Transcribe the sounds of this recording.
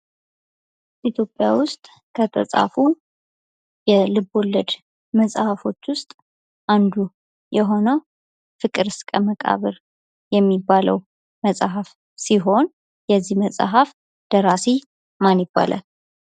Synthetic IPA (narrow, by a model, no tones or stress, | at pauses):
ʔit̪ʰjo̞pʼːjawʊst̪ʼ | kʰət̪ʰə̰sʼa̰fu | jɛlɨbo̞lːəd̪ | məsʼhafo̞t͡ʃːwʊst̪ʼ | ʔand̪u | jɛɦo̞nəw | fɨkʼɨɾɨskʼəməkʼa̰βəɾ | jɛmːibːalə̰w | məsʼɦaf | siɦo̞n | jɛzːihməsʼaɦaf | d̪̥əɾasi | manjbːa̰lʔa̰l